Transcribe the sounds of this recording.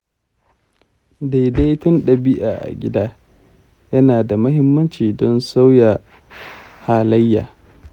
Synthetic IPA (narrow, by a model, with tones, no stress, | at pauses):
da˨jda˦jtʊ˦nɗɐ˨bɪ˦ʔaː˨ʔa̰˨ɡʲɪ˦daː˦ | jɐ˦naː˨da˨mɐ˦hɪ˦mːɐ˦nt͡ʃiː˨dɔ˦nsa˦wja˨ | haː˨lɐ˦jːa̰ː˨